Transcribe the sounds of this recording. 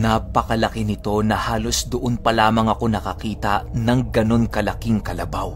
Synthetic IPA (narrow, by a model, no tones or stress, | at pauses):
nappɐkɐlɐkɪnɪt̪o̞nɐhaːlo̞sd̪ʊʔonpɐlaːmɐŋɐko̞nɐkɐkiːt̪ɐnɐŋɡɐno̞nkɐlɐkiŋkɐlɐbaw